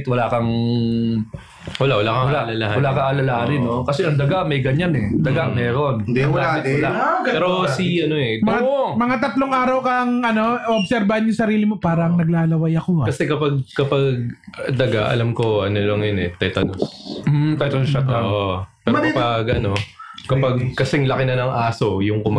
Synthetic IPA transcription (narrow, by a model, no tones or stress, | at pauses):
t̪̚wɐlakɐŋ | wɐlaʔwɐlaːkɐlalalahawɐlakɐʔɐlɐlaːɾɪnokɐsɛɐŋd̪ɐɡamɐjɡɐɲanɛd̪ɐɡaŋmɛːɾonnd̪iɐwɐlaɪt̪̚ʊlaɛːɾosiʔɐnoɛmɐŋamɐŋat̪ɐt̪loŋʔaːɾɐwkɐŋɐno̞oʔob̚sɛɾbahanjʊŋsɐɾiːlɪmo̞paːɾɐŋnɐɡ̚laːlɐwɐjɐkoakɐsɛkɐpaɡ̚kɐpɐɡ̚d̪ɐɡaʔɐ̰lamko̞ʔɐnolɐŋjonɛt̪ɛːt̪ɐnom̩t̪ɛt̪ɐnʃɐoːʔopɛːɾokpɐɡʔɐno̞kɐpaɡkɐsɛŋlɐkɪnɐnɐŋʔaːso̞jʊŋkʊmɐ